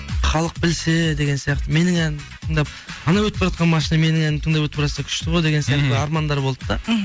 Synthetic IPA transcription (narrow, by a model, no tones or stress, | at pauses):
χɑlˠəq̚bɪlsed̪e̞ɡʲe̞nsijɑqt̪əme̞nɪŋænɪt̪ʰəɴd̪ɑp̚ | ɑnɑwɵt̪ɪpbɪʒɑt̪qɑnmɑʃinɑme̞nɪŋænɪt̪ʰəɴd̪ɑpwɵt̪pɾɑsnɑkʲʰʏ̥ʃt̪ɪʁojd̪e̞ɡʲensijɑqt̪əɑɾmɑnd̪ɑɾbo̞lˠəəd̪ɑ